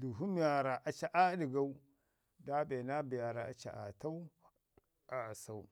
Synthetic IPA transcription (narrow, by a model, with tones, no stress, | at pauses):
du˨ɦu˦mi˦ja˨ɾa˨ʔa˨t͡ʃa˨ʔa˦di˨ɡa˦u˦ | da˦be˨na˦bi˨ja˨ɾa˨a̰˨t͡ʃa̰˨ʔa̰˨ta˦u˦ | a˨a˨sa˨u˦